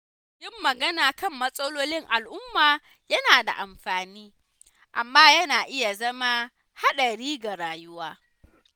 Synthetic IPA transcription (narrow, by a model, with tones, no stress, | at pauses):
jɪ˦mːɐ˨ɡɐ˦naː˨kɐ˦˨mːɐ˦sʼɐ˦loː˦lɪ˦ŋʔa˨lʔʊ˦mːaː˨ | jɐ˦naː˨da̰˨ʔa˨mɸaː˨niː˦ | ʔa˨mːaː˦jɐ˦naː˨ʔɪ˦ja˨zɐ˦ma˦ | ha˦ɗɐ˨ɽiː˦ɡa˨ɽaː˨jʊ˦waː˦